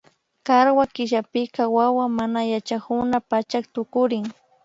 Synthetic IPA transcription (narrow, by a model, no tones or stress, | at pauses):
kaɾwakɪʒapɪkawawamanajat͡ʃakʊnapat͡ʃakt̪ʊkʊɾɪŋ